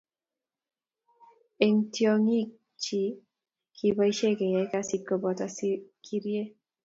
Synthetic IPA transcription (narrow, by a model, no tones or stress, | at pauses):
eŋt̪iɔŋi | t͡ʃi | kʰibajʃekejakasikːɔbɔt̪askʰiɾie